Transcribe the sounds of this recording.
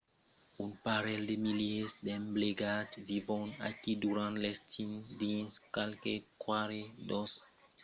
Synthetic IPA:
unpaɾɛld̪emiliesd̪ɛmbleɡad̪vivɔ̃na̰kid̪uɾãnt̪lest̪ĩnd̪ĩnskalkekwaɾed̪ɔs

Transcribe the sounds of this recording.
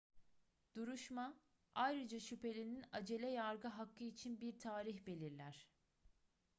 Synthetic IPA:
d̪̥uɾuʃma | ajɾɯd͡ʒaʃypʰe̞lʲininad͡ʒe̞lʲɛjaɾɡɯɦakʰːɯit͡ʃʰinbiɾt̪ʰaːɾiçbe̞lʲiɾlʲæɾ̝̥

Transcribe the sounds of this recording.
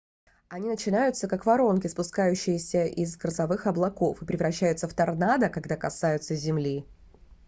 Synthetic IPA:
ɐnʲinət͡ɕɪnajʊt̪səkakvɐɾo̞nkʲɪspʊskajʉɕːɪjɪsʲəʔɪzɡɾəzɐvɨxɐblˠɐko̞fɨpɾʲɪvɾɐɕːæjʊt̪səft̪ɐrnad̪əkɐɡd̪akɐsajʊt̪səzʲɪmlʲi

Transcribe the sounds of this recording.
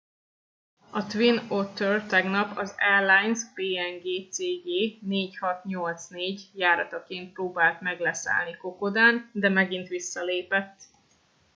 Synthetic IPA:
ɒt̪ʋinot̪ørt̪ɛɡnɒpɒzɛrlajnspeːɛŋɡeːt̪seːɡeːneːchɒt̪ɲo̞lt̪sneːɟjaːɾɒt̪ɒkeːnt̪̚proːbaːlt̪mɛɡlɛsa̰ːlniko̞ko̞d̪aːnd̪ɛmɛɡint̪ʋisːɒleːpɛt̪ː

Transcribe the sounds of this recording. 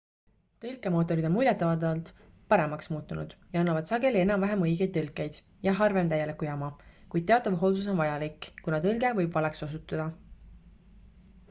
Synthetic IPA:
t̪ɤlkːˑe̞mo̞ːt̪ːˑo̞ɾid̪emulʲjet̪ːˑɑvɑd̪ɑɑlt̪ | pɑɾe̞mɑksmuːt̪ːˑunṵd̪̥jɑɑnːɑvɑd̪sɑɡe̞lie̞nɑmvæɦemɤjɡ̥e̞jd̪̚t̪ːɤlkːˑe̞jd̪̥ | jɑɦɑrve̞mt̪æjːelikujɑmɑkujd̥̪̚te̞ɑt̪ːˑɑvɦo̞ld̪us̬o̞nvɑjɑlikˑːkunɑt̪ɤlɡe̞vɤ̞jbvɑlekso̞s̬ut̪ːˑɑd̪̥ɑ

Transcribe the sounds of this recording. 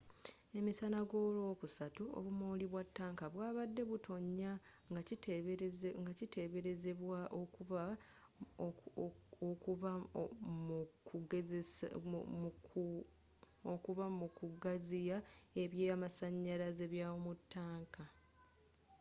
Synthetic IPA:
e̞misanaɡo̞ːlo̞ːkusatuo̰βumoːliβwatːaːŋkaβwaːβadːe̞βutʰo̞ɲːa | ɡ | ŋɡacite̞βe̞ɾezeβwaʔokua | okuβamukuɡ | okuβamukuɡazijae̞βjeːamasaɲːaɾaze̞βjawomutːaːŋkʰa

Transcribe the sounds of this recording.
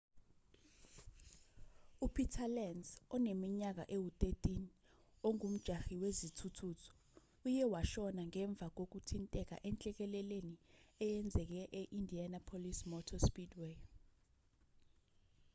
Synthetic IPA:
upʰitʰalɛnsɔnemiɲak̬a̰ʔewut̪ʼetʼin | oŋum̩d̥ʒ̥ʱaxiwezitʰutʰutʰɔ̥ | ujɛwaʃɔnaŋɛɱb̪vʱak̬ok̬utʰintʼɛk̬a̰ʔɛnt͡ɬʼɛk̬ɛlɛleniɛjɛnd͡zʱɛk̬ɛʔɛʔindʱianapʰolismɔtʰɔspidwe

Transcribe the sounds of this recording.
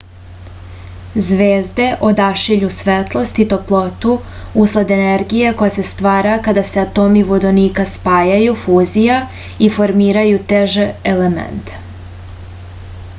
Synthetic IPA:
zʋeːzd̪e̞ʔo̞d̪aʃiʎusʋet̪lˠo̞st̪it̪o̞plˠo̞t̪u | uslˠad̪eneɾɡijeko̞jase̞st̪ʋaːɾakad̪aseat̪o̞miʋod̪oniːkaspaːjajufuːzija | ifo̞ɾmiːɾajut̪eʒeelemḛnt̪

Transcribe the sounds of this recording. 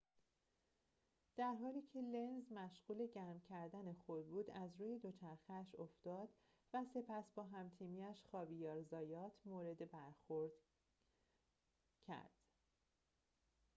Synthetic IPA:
d̪̥æɾɦɒːliːcʰe̞le̞nzmæʃɢ̥uːle̞ɟæɾmcʰæɾd̪æne̞xod̪buːd̪æzɾuːje̞d̪o̞t͡ʃʰæɾxeæʃo̞ft̪ɒːd̪̥ | væse̞pʰæsbɒːɦæmt̪ʰiːmiæʃxɒːvijɒːɾzɒːjɒːt̪ʰmoːɾe̞d̪ebæɾxoɾd̪̥ | cʰæ̰ɾd̪̥

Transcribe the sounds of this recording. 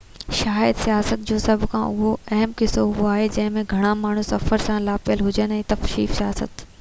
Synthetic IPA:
ʃaːjəd̪sijaːsət̪̚d͡ʑoːsɐbʱkʰã̰ʔʊɦoɛɦəmkɪsoɦuaːɦed͡ʑɐ̃ɦɪ̃mẽɡʱɐɽ̃amaːɳ̤ũsɐfəɾsãlaːfɪjəlɦʊd͡ʑənɛ̃ːt̪ɐfʃiːfsijaːsə̰t̪

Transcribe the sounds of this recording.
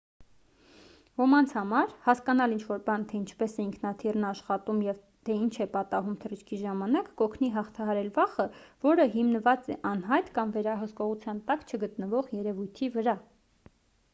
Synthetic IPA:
vɔmɑnt͡sʰhɑmɑɾhɑskɑnɑlint͡ʃʰvɔɾbɑnt̪ʰɛint͡ʃʰpɛsɛiŋkʰnɑt̪ʰirnɑʃχɑt̪umjɛv | t̪ʰɛint͡ʃʰɛpɑt̪ɑɦumt̪ʰərət͡ʃʰkʰiʒɑmɑnɑkːɔkʰniɦɑχt̪ʰɑɦɑɾɛlvɑχəvɔɾəɦimnəvɑt͡sɛʔɑnɦɑjt̪kɑmvɛɾɑɦəskɔʁut͡sʰjɑnt̪ɑkt͡ʃʰəɡət̪nəvɔʁjɛɾɛvujt̪ʰivəɾɑ

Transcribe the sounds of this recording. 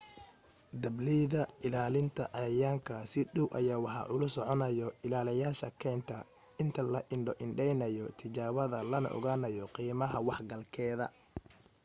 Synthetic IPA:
d̪ɐbliðɐɪlaːlɪnt̪ʰɐʔɐjaːŋkʰɐsɪɖɔwʔɐ̰jaːwɑħɑ̰ʔʊlʊsɔʕɔnɐjɔɪlaːlɪjaːʃɐkʰɛnt̪ʰɐ | ɪnt̪ʰɐlɐʔɪɳɖɔʔɪɳɖɛjnɐjɔt̪ʰɪt͡ʃaːβɐðɐlɐnɐ̰ʔɔ̰ɣaːnɐjɔqiːmɐɦɐwɑħɡɐlkʰɛːðɐ̰

